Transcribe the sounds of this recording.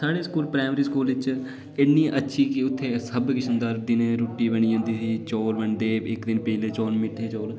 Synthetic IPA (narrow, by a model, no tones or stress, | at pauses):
saːɽeːskuːlpɾaːmɾiːskuːlʋɪt͡ʃ | ɪnːiːʔətːʃʰiːkɪʊt̪ʰːeːsəbkɪsənd̪aːɾd̪ɪneɾoːʈiːbəɳ̃iːɦʊ̃nd̪iːsiːt͡ʃoːlʋəɳɖeːɪkd̪ɪnpɛːleːt͡ʃoːlmɪʈʰːeːt͡ʃoːl